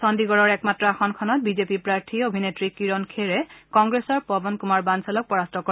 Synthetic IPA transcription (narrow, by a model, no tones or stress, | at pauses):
sɔndiɡɔɹɔɹɛkmatɹɔaxɔnkʰɔnɔt̚bizepipɹaɹtʰiobʱinetɹikiɹɔnkʰeɹɛkɔŋɡɹesɔɹpɔbɔnkumaɹbansalɔk̚pɔɹastɔk